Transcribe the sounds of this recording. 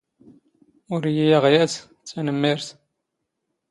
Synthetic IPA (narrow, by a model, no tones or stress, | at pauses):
ʊɾijijaʁjæs | t͡sːænəmːiɾθ